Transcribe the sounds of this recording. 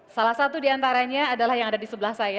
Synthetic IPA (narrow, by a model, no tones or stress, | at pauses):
salahsat̪udiant̪aɾaɲaːdalahjaŋadadisəbəlahsaja